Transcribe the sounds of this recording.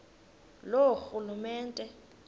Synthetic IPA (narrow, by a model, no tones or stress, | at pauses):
loxulumɛːntʼɛ